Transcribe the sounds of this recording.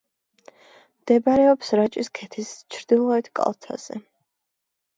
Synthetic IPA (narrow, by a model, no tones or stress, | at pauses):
md̪̥ɛbaɾɛɔpsɾat͡ʃʼiskʰɛt̪ʰist͡ʃʰɾd̪ilˠɔɛt̪ʰkʼa̰lˠt̪ʰa̰z̥ɛ̰